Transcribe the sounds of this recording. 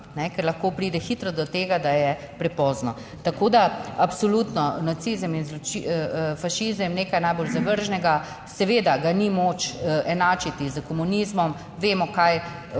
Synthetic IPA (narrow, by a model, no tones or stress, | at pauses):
nɛkɛɾlɐxkoːpɾiːd̪ɛxit̪ɾɔd̪ɔt̪eːɡad̪ajɛ | pɾɛpɔːznɔ | t̪akoːd̪aapsɔlut̪nɔnat̪sizəminzlɔt͡ʃifaʃizəmneːkajnajboːlzaʋəɾʒnɛɡa | sɛʋeːd̪aɡanimoːt͡ʃɛnaːt͡ʃit̪izəkɔmunizmɔm | ʋeːmɔkaj